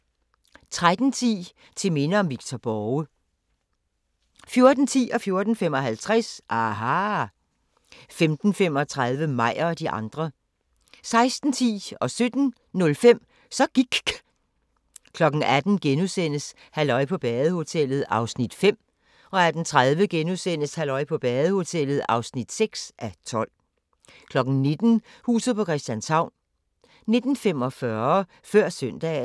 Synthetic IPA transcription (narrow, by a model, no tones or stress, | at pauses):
t͡sʰʁad̥n̩t͡sʰḭː | t͡sʰe̝me̝nəɒ̽mʋiɡ̥̚t͡sʰɒb̥ɒə | fjo̝ɐd̥n̩t͡sʰḭːʔɒ̽fjo̝ɐd̥n̩fem̰ɒ̽ɦælt͡sʰʁasʔɑɦɑ | femd̥n̩fem̰ɒ̽t͡sʰʁað̞ˠʋəmɑ̈ɪ̰ɒ̽d̥iʔɑ̈nd̥ʁɐ | sɑ̈ɪsd̥n̩t͡sʰḭːɒ̽sød̥n̩ | nɔ̽lfem̰ | sɒ̽ɡ̥iɡ̥ | kʰlɒ̽ɡ̥n̩æd̥n̩ɡ̥enusen̰əs | hælɒ̽ɪ̰pʰɒ̽b̥ɛːð̩ˠəho̝t͡sʰel̰ð̞̩ˠɑ̈ʊsnid̥fem̰ | ɒ̽æɐd̥ent͡sʰʁað̞ˠʋəɡ̥enusen̰əshælɒ̽ɪpʰɒ̽b̥ɛːðˠəho̝t͡sʰel̰ð̞̩ˠɑ̈ʊsnid̥seɡ̥sʔæt͡sʰɒ̽l̰ | kʰlɒ̽ɡ̥n̩ne̝d̥n̩hṵːsð̩ˠpʰɒ̽kʰʁɛsd̥jænshɑ̈ʊ̰n | ne̝d̥n̩femɒ̽fɶɐ | fɶɐ̰sœn̰d̥ɛ̰ː